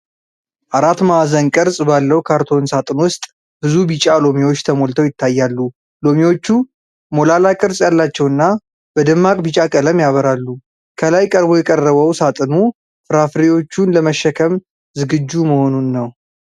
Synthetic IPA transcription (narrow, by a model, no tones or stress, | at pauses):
ʔaɾat̪maazənkʼɨɾsʼbalːəwkʰaɾt̪ʰo̞nsat̪ʼɨnwʊst̪ʼ | bɨzubit͡ʃʼalo̞miwo̞t͡ʃːt̪ʰəmo̞lt̪ʰəwjɪt̪ʰːajːalːu | lo̞miwo̞t͡ʃːu | mo̞lalakʼɨɾsʼjalːat͡ʃːɛwɨnːa | b̥əd̪ɨmːakʼbɨt͡ʃʼakʼələmjaβəɾalːu | kʰəlajkʼəɾbo̞jɛkʼərːəβəwsat̪ʼɨnu | fɨɾafɾiwo̞t͡ʃːunləməʃːəkʰəm | zɨɡɨd͡ʒːuməho̞nunːəw